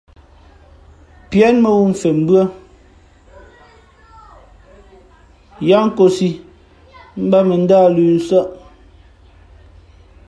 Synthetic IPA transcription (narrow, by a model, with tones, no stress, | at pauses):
pjɛ˨˦nmɛ˨wu˦m̩˨fe˨m̩˦bɰə˦ | ja˦ŋ̩˦ko˨si˨ | m̩˦ba˦me˨n̩˦daː˦˨lʉː˨n̩˦sa˦ʔ